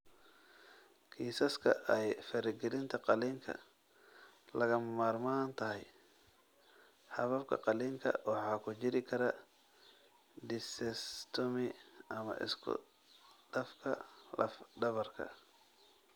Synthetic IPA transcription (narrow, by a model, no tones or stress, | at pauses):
kʰiːsɐskʰɐ̰ʔɛjfɐɾɪɡɛlɪnt̪ʰɐqɑliːŋkʰɐ̰ | lɐɣɐmɐmaːrmaːnt̪ʰɐɦɛj | ħɑβɐbkʰɐ̰qɑliːŋkʰɐ̰wɑħɑːkʰʊt͡ʃɪɾɪkʰɐɾɐ | d̪ɪsɛst̪ʰɔmɪʔɐmɐ̰ʔɪ̰skʰʊ̰ | d̥ɐfkʰɐlɐfɖɐβɐrkʰɐ̰